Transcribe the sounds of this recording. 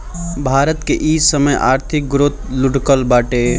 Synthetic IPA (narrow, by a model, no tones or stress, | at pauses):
bʱaːɾət̪keʔiːsəməjʔa̰ːɾt̪ʰɪk̚ɡɾoːt̪lʊɖkəlbaːʈe